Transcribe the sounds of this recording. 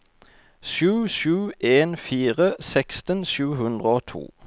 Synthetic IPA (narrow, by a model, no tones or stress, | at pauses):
ʃʉːʃʉːʔeːnfiːʁəsɛkst̪ənʃʉːhʉnd̪ʁəoːt̪ʰṵː